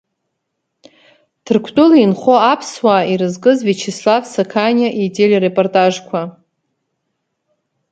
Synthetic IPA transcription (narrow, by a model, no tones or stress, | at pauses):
tʰɨrkʷʰtʼʊlinχoapʰswaiɾɨzkʼɨzvet͡ʃʰeslavsakʰanʲaʔitʼelʲirepʼortʼaʐkʷʰa